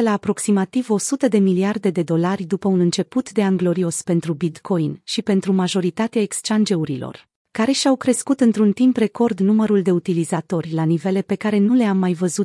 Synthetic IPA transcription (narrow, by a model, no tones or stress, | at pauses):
laːpɾo̞ksimat̪ivo̞sut̪əd̪e̞miliard̪e̞d̪e̞d̪o̞larʲd̪upəunɨnt͡ʃe̞put̪d̪e̞aŋɡlo̞ɾio̞spe̞nt̪ɾubit̪kʰo̞jnʃipe̞nt̪ɾumaʒo̞ɾit̪at̪eaekst͡ʃand͡ʒe̞uɾilo̞̰r | kaɾe̞ʃiawkɾe̞skut̪ɨnt̪ɾunt̪impre̞ko̞rd̪numəɾuld̪e̞ut̪ilizat̪o̞rʲlanive̞le̞pe̞kaɾe̞nule̞amːajvəzut̪